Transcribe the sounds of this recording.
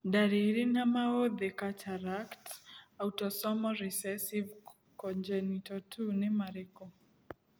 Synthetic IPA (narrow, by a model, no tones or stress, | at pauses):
ɗaɾiɾinamaoðɛkatʰaɾaktautɔsɔmɔɾisɛsiv | kɔnd͡ʒɛnitɔtʰunemaɾɛkɔ